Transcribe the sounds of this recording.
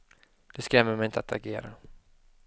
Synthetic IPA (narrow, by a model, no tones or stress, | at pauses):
d̪̥ɛskɾɛmːəmɛjɪnt̪əat̪ʰa̰ɡeːɾa̰